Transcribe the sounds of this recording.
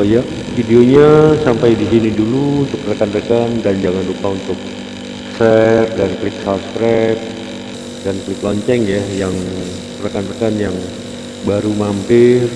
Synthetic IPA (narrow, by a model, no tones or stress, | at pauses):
ja | fideoɲasampajdisiniduluːnt̪ʊk̚rəkanrəkandand͡ʒaŋandukaunt̪ʊk̚ | sɛp̚danklɪt̪̚sapskɾap̚ | danklɪt̪̚lɔɲt͡ʃɛŋjajaŋ | rəkanrəkanjaŋ | baɾumampɪr